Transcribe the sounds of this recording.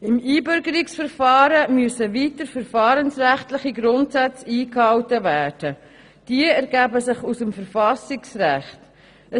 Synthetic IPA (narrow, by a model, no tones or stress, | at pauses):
ɪmiːbʏɾɡəɾɪksfəɾfɑːɾəmyəsəviːtəɾfəɾfɑːɾənsʁæχtlɪχiɡɾʊntsæt͡siːkhɑwtəvæːd̥ə | d̥iəæɾɡæːbəsɪχusəmfəɾfɑsɪksɾæχt | ə